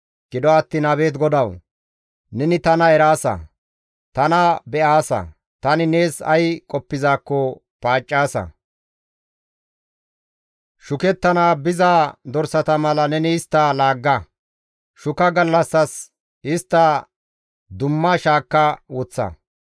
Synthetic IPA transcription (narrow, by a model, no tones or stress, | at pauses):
ɡ̥ɪd̪ɔɐt̪ːiːnɐβe̞ːt̪̬ɡɔd̪ɐw | nɛnɪt̪ɐnɐɛɾaːsɐ̰ | t̪ɐnɐbɛʔaːsɐ̰ | t̪ɐnɪne̞ːsɐ̰jkʼɔpːɪzaːkːɔ | paːt͡ʃʼːaːsɐ̰ | ʃʊkɛt̪ːɐnaːbɪzaːd̪ɔɾsɐt̪ɐmɐlɐnɛnɪɪst̪ːɐlaːɡːɐ | ʃʊkɐɡɐlːɐsːɐs | ɪst̪ːɐ | d̪ʊmːɐʃaːkːɐwɔt͡sːɐ̰